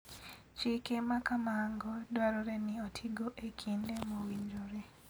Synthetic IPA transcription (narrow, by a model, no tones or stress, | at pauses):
t͡ʃikemakamaŋɡɔdwaɾoɾeniotʰiɡoʔekʰindemowiɲd͡ʒoɾe